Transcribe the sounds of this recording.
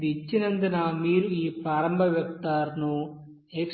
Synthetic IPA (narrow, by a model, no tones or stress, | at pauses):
d̪it͡ʃːinɐnd̪inɐmiːɾuiːpɾaːɾɐmbʱɐʋjɐk̚t̪aːɾnu | ek